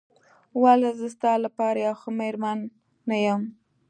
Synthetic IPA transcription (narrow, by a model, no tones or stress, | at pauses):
walazəst̪ɑlapɑɾajawxʊmeɾmanː | ajəm